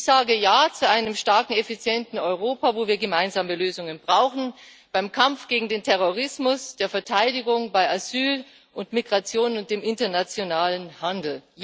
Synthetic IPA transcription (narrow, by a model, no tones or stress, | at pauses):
z̥aːɡəjaːt͡suʔaɪnəmʃtaɐkŋ̩efit͡sjɛntn̩ɔʏʁoːpavoːviːɐɡəmaɪnzaːməløːzʊŋənbʁaʊxn̩ | b̥aɪmkʰamfɡ̥eːɡŋ̩deːntʰɛʁoʁ̞ɪsmʊsd̥eːɐfɛɐtʰaɪdɪɡʊŋbaɪʔazyːl | ʔʊntmiɡʁat͡sjoːnʊnt̚d̥eːmɪntɐnat͡sjonaːlənhandl̩